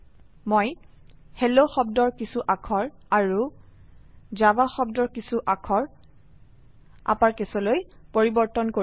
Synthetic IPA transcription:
moj | hɛloxɔb̚dɔɹkisuʔakʰɔɹaɹu | zabaxɔbdɔɹkisuʔakʰɔɹ | a̰paɹkɛsɔlojpoɹibɔɹtɔnko

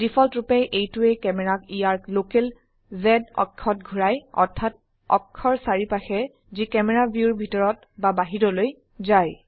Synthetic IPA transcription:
d̥ipʰɔltɹupɛʔejtuɛkɛmɛɹakiaɹklokɛl | zɛdɔ̰kʰːɔtɡʱuɹajɔ̰ɹtʰːat̚ | ɔ̰kʰːɔɹsaɹipaxɛ | zikɛmɛɹabjuɹbʱitɔɹɔt̚ | babaɦiɹɔloj | zaj

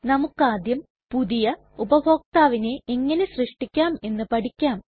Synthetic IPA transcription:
nɐmukːaːd̪jɐm | puðijɐ | ubɐbʱo̞ːk̚t̪aːʋine̞ʔeŋːɐne̞srɨʂʈikʲːaːme̞nːɨpɐʈikʲːaːm

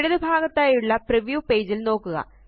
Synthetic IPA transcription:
ɽuðubʱaːɡɐt̪ːaːjuɭːɐpriʋjuːpe̞ːd͡ʑilno̞ːkːuɣɐ̰

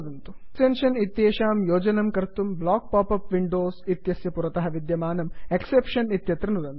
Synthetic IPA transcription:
d̪ɐnt̪u̥ | senʃɐnit̪jeːʃaːmjoːd͡ʒɐnɐmkɐɾt̪umblaːk̚paːpɐpʋiɳɖoːsit̪jɐsjɐpuɾɐt̪ɐɦɐʋid̪jɐmaːnɐmeksepʂɐnit̪jɐt̪ɾɐnud̪ɐnt̪u̥

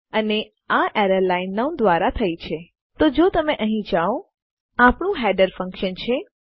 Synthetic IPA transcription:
əne | aʔeɾəlainːaund̪ʋaɾat̪ʰəjt͡ʃʰe | t̪od͡ʒot̪əmeʔəɦĩd͡ʒao | apɳũɦɛɖəɾfə̃ŋkʃənt͡ʃʰe

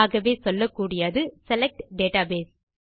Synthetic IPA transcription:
ɣɐʋeːsɔlːɐkːuːɽɪjaːðɯsɛlɐk̚ʈɖeːʈaːbeːs

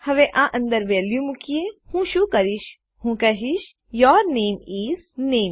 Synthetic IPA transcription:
hɐʋeʔãːʔə̃nd̪əɾʋeːljũmukijehũːʃukɐɾiʃ | hũkɐɦiʃ | jɔːɾneːmiːzneːm

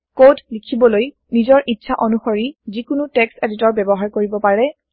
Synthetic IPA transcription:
kodlikʰibɔloj | nizɔɹʔitːʃʰaʔɔnuxoɹizikʊnutɛkseditɔɹbɛbɔɦaɹkoɹibɔpaɹɛ

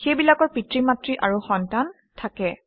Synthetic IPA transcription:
xejbilakɔɹpitɹimatɹiʔaɹuxɔntan | tʰakɛ

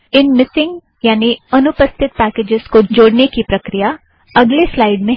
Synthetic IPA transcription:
ɪnmɪsɪ̃ŋɡ | jaːniɐnʊpəst̪ʰɪt̪̚pæːkeːd͡ʒɪz̥kod͡ʒoːɽnekipɾɐkɾija | ɐɡleslaːɪɖmẽ

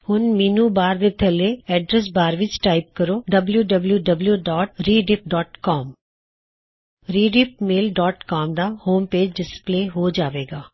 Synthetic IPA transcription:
hʊnmiːnuːbaːɾd̪eːt̪ʰəleːɛːɖɾɛs̬baːɾʋɪt͡ʃʈaːɪp̚kəɾoːɖəbljuːɖəbljuːɖəbljuːɖɔːʈɾiːɖɪp̚ɖɔːʈkɔːm | ɾiːɖɪp̚meːlɖɔːʈkaːmd̪aːhoːmpeːd͡ʒɖɪspleːɦoːd͡ʒaːʋeːɡaː

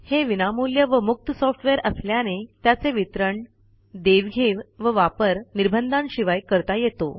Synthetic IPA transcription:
heʋinamuljəʋəmuk̚t̪əsɔfʈʋeɾəsljanet̪jat͡seʋit̪ɾəɳ | d̪eʋɡʱeʋʋəʋapəɾniɾbʱənd̪anɕiʋajkəɾt̪ajet̪o̰

